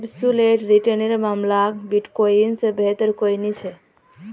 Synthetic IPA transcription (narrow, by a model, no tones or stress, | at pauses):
bsuleʈɾiʈəneɾmamlakbiʈkoinsẽbet̪əɾkojnit͡ʃʰɛ